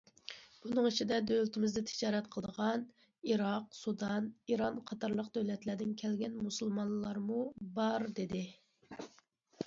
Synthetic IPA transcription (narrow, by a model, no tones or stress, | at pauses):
b̥unɨŋit͡ʃʰid̪ɛd̪ølt̪ʰɪmɪzd̪ɛt̪ʰɪ̥d͡ʒɑːɾɛt̪qʰəlˠd̪əʁɑn | iɾɑqsud̪ɑniɾɑnqʰɑt̪ʰɑɾlˠəqd̪øwlɛt̪læɾd̪ɪnkʲʰælɡʲɛnmusulˠmɑnlllˠɑɾmubɑɾd̪ɪd̪ɪ